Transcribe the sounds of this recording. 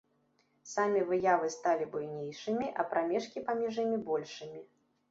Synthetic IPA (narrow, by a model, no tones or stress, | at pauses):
samʲivɨjavɨst̪alʲibujnʲejʂɨmʲiʔɐpɾamʲɛʂkʲipamʲɛʐɨmʲibɔlʲʂɨmʲi